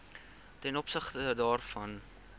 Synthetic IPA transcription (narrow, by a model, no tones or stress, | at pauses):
tɛnɔpsəχtədɑːrfɐn